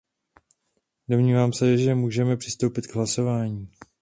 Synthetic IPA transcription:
do̞mɲiːvaːmsɛʒɛmuːʒɛmɛpr̝̥ɪst̪o̞wpɪt̪ɡɦlaso̞vaːɲiː

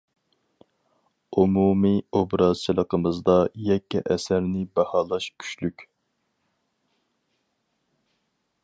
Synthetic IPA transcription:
umumiobɾɑzt͡ʃʰilˠəqəmɨzd̪ɑjɛkʲʰːɛ̰ʔɛsæɾnɪbɑhɑːlˠɑʃkʲʰy̥ʃlykʲ

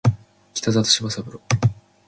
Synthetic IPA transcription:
kʲi̥t̪azat̪o̥ɕiβasabɯ̟ɾo

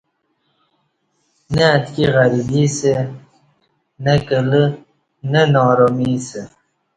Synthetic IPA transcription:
neːt̪kiɣaɾibise | nɐkələ | nənɔːɾomise

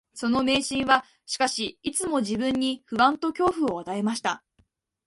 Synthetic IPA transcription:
so̞no̞me̞ːɕĩɰ̃βa | ɕi̥kaɕiit͡sɨmo̞ʑibɯ̟̃ɲ̟ːiɸɯ̟βãnt̪o̞kʲo̞ːɸɯ̟o̞β̞at̪ae̞maɕi̥t̪a

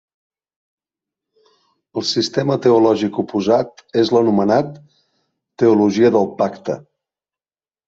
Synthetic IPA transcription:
əlˠsist̪ɛmət̪əulɔʒikupuzat̪ezlənumənat̪ː | əuluʒiəðəlˠpakt̪ə̰

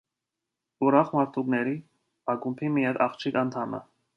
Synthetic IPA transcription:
uɾɑχmɑɾt̪ʰuknɛɾi | ɑɡumpʰimijɛd̪ɑχt͡ʃʰikɑnt̪ʰɑmə̰

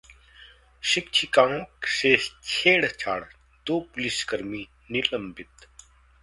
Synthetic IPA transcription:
ʃik̚t͡ʃʰikãːkseːt͡ʃʰeːɽt͡ʃʰa̰ːɽ | d̪oːpuliskɐɾmiː | niləmbit̪

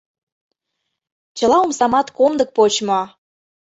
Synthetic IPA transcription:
t͡ɕə̆lɑumsɑmɑt̪komd̪ə̆k̚pot͡ɕmo

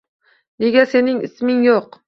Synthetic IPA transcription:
ne̞ɡʲase̞nɪŋɪsmɪŋjoq

